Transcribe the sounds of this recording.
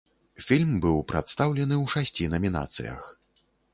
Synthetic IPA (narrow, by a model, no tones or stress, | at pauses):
fʲilʲmbɨwpɾa̰t̪st̪awlʲɛnɨwʂasʲt͡sʲinɐmʲina̰t̪sɨ̰jɐ̰x